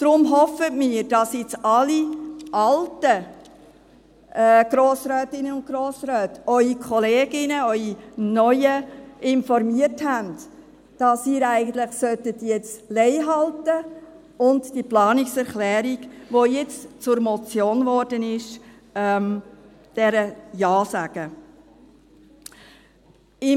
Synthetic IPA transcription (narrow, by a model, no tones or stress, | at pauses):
d̥ɾʊmɦɔfətmiːɾd̥ɑsjɪt͡sɑliʔɑltə | ɡ̥ɾoːsɾœːtɪnəʊnt̚ɡ̥ɾoːsɾœːtœʏikʰɔleːɡ̥ɪnəœʏinœʏəʔɪnfɔrmiəthænd | d̥ɑsiːɾæɪɡən̩t̪lɪχsœtətjɛt͡slɛɪɦɑltə | ʊndd̥iplɑːnɪksɛɾχlɛːɾiɡʋojɛt͡stt͡sʊɾmɔt͡sjoːnvɔɾdənɪʃ | ɛm | d̥ɛɾəjɑːsæɡ̥ə | ɪ